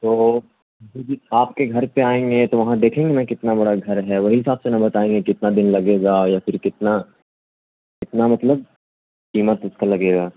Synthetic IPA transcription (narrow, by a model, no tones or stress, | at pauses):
t̪oː | tid͡ʒikʰaːp̚keɡʱɐɾpeaːẽːŋɡet̪oʋɐɦãd̪eːkʰẽːŋɡenakɪt̪nabɐɽaɡʱɐɾɦɛʋɐɦiɦɪsaːbsenɐbɐt̪aːẽːŋɡekɪt̪nad̪ɪnlɐɡeːɡaːjafɪɾkɪt̪na | kɪt̪namɐt̪ləb̚ | kiːmət̪ʊskalɐɡeːɡaː